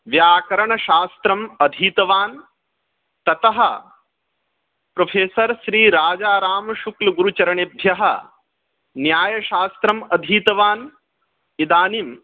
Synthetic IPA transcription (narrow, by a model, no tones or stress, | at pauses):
ʋjaːkɐɾɐɳɐʃaːst̪ɾɐmɐd̪ʱiːt̪ɐʋaːn | t̪ɐt̪ɐɦɐ | pɾopʰeːsɐɾʃɾiːɾaːd͡ʒaːɾaːmɐʃuklɐɡuɾut͡ʃɐɾɐɳebʱjɐɦɐ | njaːjɐʃaːst̪ɾɐmɐd̪ʱiːt̪ɐʋaːn | id̪aːnim